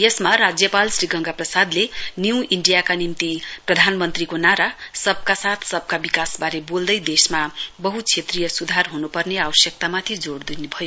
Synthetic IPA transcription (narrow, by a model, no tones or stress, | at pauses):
jʌsmaɾad͡zjʌpalsriɡʌŋɡaprʌsad̪lenjiwʔiɳɖijakanimt̪iprʌd̪ʱanmʌnt̪rikonaɾasʌb̚kasat̪ʰsʌb̚ʱkabikasbaɾebold̪ʌjd̪esmabʌɦut͡sʰet̪rijʌsud̪ʱarɦunupʌrneabʌsjʌk̚t̪amat̪ʰid͡zoɽd̪inebʱʌjo